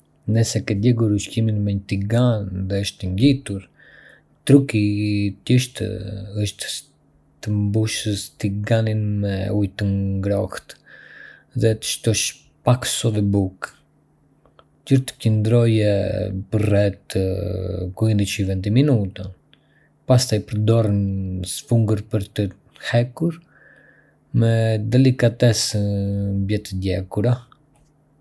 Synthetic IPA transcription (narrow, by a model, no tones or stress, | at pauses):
nəsɛkɛd̪ɛɡuɾuʃciminmɛɲət̪iɡanðɛəʃt̪əɲɡit̪uɾ | t̪ɾukit̪əʃt̪ə̰əʃt̪ | t̪əmbuʃəst̪iɡaninmɛujt̪əŋɡɾɔxt̪ | ðɛt̪ə̥ʃt̪ɔʃ | paksɔðɛbuk | cəɾt̪ə̥cənd̪ɾɔjɛpərɛt̪ | kuind̪it͡ʃivɛnt̪iminut̪a | past̪ajpəɾd̪ɔrənsfuŋɡəɾpəɾt̪ə | hɛkuɾ | mɛd̪ɛlikat̪ɛs | mbjɛt̪əd̪jɛkuɾa